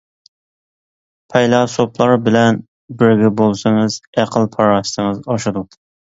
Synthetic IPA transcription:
pʰɛjlˠɑsoplˠɑɾbɪlɛn | bɪɾɡʲɛbolˠsɨŋɨzæqʰəlˠpʰɑɾɑʃt̪ɨŋɨzɑʃɨd̪ʊ

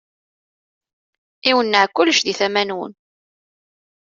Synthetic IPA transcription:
iwənːəʕkːʊlːʃðiθæmænwə̰n

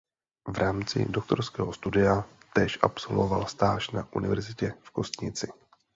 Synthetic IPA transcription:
vɾʔaːmt͡sɪ̰do̞k̚t̪o̞̰ɾskɛːɦost̪udɪat̪ɛːʃʔapso̞̰lvo̞̰va̰lst̪aːʃnaʔunɪvɛɾzɪcɛfko̞st̪ɲɪt͡sɪ

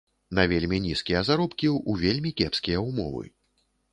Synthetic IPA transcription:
nɐvʲelʲmʲinʲiskʲijɐzaɾɔpkʲiuvʲelʲmʲikʲɛpskʲijɐumɔ̰vɨ̰

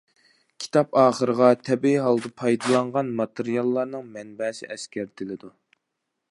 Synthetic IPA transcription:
kʲʰi̥t̪ʰɑpɑːχəɾəʁɑt̪ʰɛbiɦɑlˠd̪ɨpʰɑjd̪ɨlˠɑɴʁɑnmɑt̪ʰɨɾijɑlˠːɑɾnɨŋmɛnbɛsɪ̰ʔɛskʲʰæɾd̪ʰɪlɪd̪u

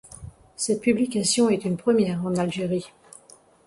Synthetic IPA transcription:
sɛt̪̚pyblikʲasjɔ̃ɛt̪ynpχəmjɛʁɑ̃nalʒeʁi

